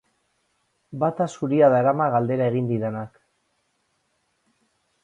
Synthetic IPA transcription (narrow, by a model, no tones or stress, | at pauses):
bat̪asuɾiaðaeɾamaɣald̪e̞ɾae̞ɣ̞ind̪iðenak